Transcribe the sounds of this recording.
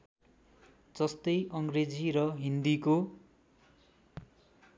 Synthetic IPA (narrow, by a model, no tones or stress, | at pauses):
d͡zʌst̪ʌjʔʌŋɡred͡ziɾʌɦind̪iko